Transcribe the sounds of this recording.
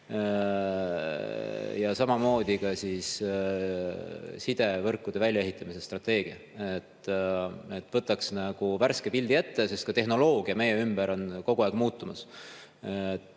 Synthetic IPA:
jɑsɑmɑmo̞ːd̪̥ʲikɑsis | sid̪̥e̞vɤrkːˑud̪̥e̞vælʲjɑe̞ɦit̪ˑːɑmise̞st̪rɑt̪ːˑe̞ːɡ̥iɑ | et̪ː | et̪ːˑvɤt̪ːˑɑksnɑɡ̥uværskepild̪iet̪ːesest̪̚kɑt̪e̞ɦno̞lo̞ːɡ̥iɑme̞jeymb̥eɾo̞nko̞ɡ̥uɑˑkmuːt̪ːˑumɑs

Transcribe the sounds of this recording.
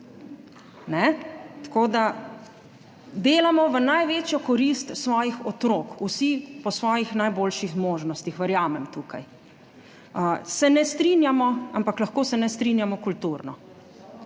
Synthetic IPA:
nɛt̪koːd̪a | d̪eːlamɔʋənajʋeːt͡ʃjɔkɔɾist̪sʋɔːjixɔt̪ɾoːkusipɔsʋɔːjixnajboːlʃixmoːʒnɔst̪ixʋəɾjaːmɛmt̪uːkaj | əsɛnɛst̪ɾinjamɔampaklaxkoːsɛnɛst̪ɾinjamɔkult̪uːɾnɔ

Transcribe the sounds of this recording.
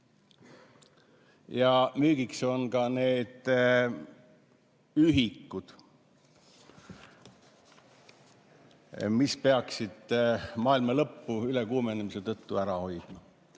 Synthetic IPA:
jɑmyːɡ̥ikso̞nkɑne̞ːd̪̥ | yɦikːud̪̥ | mispe̞ɑksid̪̥mɑːilmɑlɤpːuyle̞kuːmenemise̞t̪ɤt̪ːuæɾɑho̞jd̪̥mɑ

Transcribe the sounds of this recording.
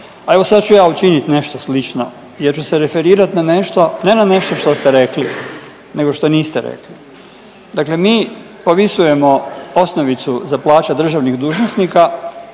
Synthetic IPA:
ae̞ʋosad̪t͡ʃujaːut͡ʃinit̪ne̞ʃt̪oslit͡ʃno | jeɾt͡ʃuseɾe̞fe̞ɾiːɾat̪naneʃt̪o̞nenane̞ʃt̪o̞ʃt̪o̞st̪e̞ɾe̞kli | ne̞ɡo̞ʃt̪o̞niːst̪e̞ɾḛkli | d̪aklemiː | po̞ʋisuje̞mo̞o̞snoʋit̪suzaplˠaːt͡ʃad̪r̩ʒaʋniɣd̪uːʒnosniːka

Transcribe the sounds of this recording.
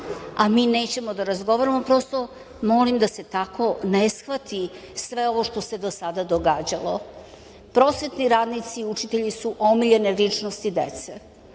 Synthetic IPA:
amine̞ːt͡ɕe̞mo̞d̪aɾazɡo̞ʋaɾamo̞pɾo̞st̪o | mo̞limd̪ase̞t̪akʰo̞ne̞sxʋat̪isʋe̞o̞ʋoʃt̪o̞se̞d̪o̞sad̪ad̪o̞ɡaːd͡ʑalo̞ | pɾo̞ːsʋe̞t̪niɾaːd̪nit̪siːut͡ʃit̪e̞ʎisuʔo̞miʎe̞nelit͡ʂnost̪id̪ḛt̪se

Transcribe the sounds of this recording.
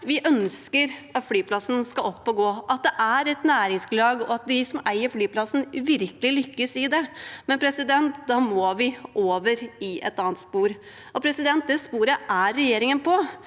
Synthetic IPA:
ʋɪʔœnskəɾɑt̪flyːpʰlɑsnskɑlɔpːɔɡoːɑt̪̚d̪ɛʔæɾɛt̪næːɾɪŋsblɑːɡɔɑt̪̚d̪ɪsɔmæɪəɾflyːpʰlɑsn̩ʋɪɾkəlɪlʏkːəsɪd̪ɛmɛnpʰɾɛsɪd̪ɛnt̪d̪ɑmɔʋɪʔoːʋəɾɪʔɛ̰t̪ɑːənt̪spuːɾ | ɔpʰɾɛsɪd̪ɛnt̪̚d̪ɛspuːɾəʔæɾːɛjeːɾɪŋənpʰɔ

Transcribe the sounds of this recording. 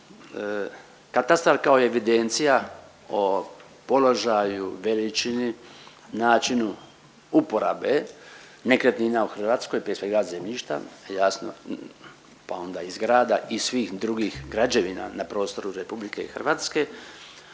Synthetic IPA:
kat̪ast̪ɾaɾkao̞ieʋid̪ent̪sija | o̞ | po̞lo̞ʒajuʋelit͡ʃini | naːt͡ʃinu | upo̞ɾa̰ːbe | ne̞kɾet̪niːnauxr̩ʋaːt̪sko̞jpɾespeiaze̞mʎiʃt̪a̰jasno̰ | pao̞nd̪aizɡɾaːd̪aʔisʋiːxd̪ɾuɡiːxɡɾad͡ʒeʋina̰napɾo̞ːst̪o̞ɾuɾepublike̞ixr̩ʋaːt̪ske̞

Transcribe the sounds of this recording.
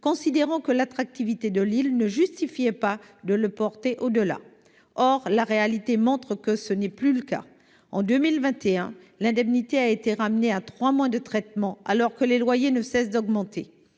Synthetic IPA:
kɔ̃sid̪eʁɑ̃kəlat̪χak̚t̪ivit̪ed̪əlilnəʒyst̪ifiɛpa | d̪ələpɔʁt̪eʔod̪əla̰ | ɔʁlaʁealit̪emɔ̃t̪χəkəsənɛplyləka̰ | ɑ̰̃d̪ømilvɛ̃t̪eɛ̃ | lɛ̃d̪ɛmnit̪eaet̪eʁamneat̪χwamwɛ̃d̪ət̪χɛt̪mɑ̃alɔʁkəlelwajenəsɛsd̪ɔɡmɑ̃t̪ʰe

